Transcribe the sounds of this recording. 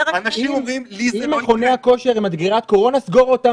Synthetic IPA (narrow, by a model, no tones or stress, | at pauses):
niimimliimaχo̞neako̞ʃe̞ʁimad̪ɡiʁat̪̚ko̞ʁo̞nasɡo̞ʁot̪a